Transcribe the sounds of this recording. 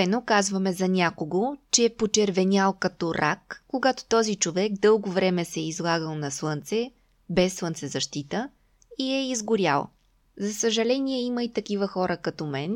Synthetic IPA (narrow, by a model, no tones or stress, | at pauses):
ɛnokazvɐmɛzɐnʲakoɡot͡ʃɛːpot͡ʃɛɾvɛnʲalˠkɐt̪ɔɾʔa̰kːoɡat̪o̥t̪ɔzit͡ʃovɛɡd̪ɤlˠɡovɾɛmɛsɛizlˠaɡəlˠnɐslˠɤnt̪sɛ | bɛsːlˠɤnt̪sɛzɐʃt̪it̪ə | iɛizɡʊɾʲa̰lˠ | zɐsəʒɐlɛnʲiɛiməit̪ɐkivəxɔɾəkɐt̪ɔmɛn